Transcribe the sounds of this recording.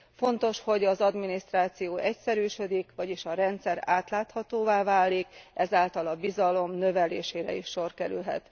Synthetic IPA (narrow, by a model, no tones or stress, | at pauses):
fo̞nt̪o̞ʃho̞ɟɒzɒd̪minist̪raːt̪sijoːʔɛcsɛɾyːʃød̪ikʋɒɟiʃɒɾɛnt̪sɛɾaːt̪laːt̪hɒt̪oːvaːvaːlːikʔɛzaːlt̪ɒlɒbizɒlo̞mnø̞vɛleːʃeːɾɛ̰iʃːo̞rkɛɾy̰lɦɛ̰t̪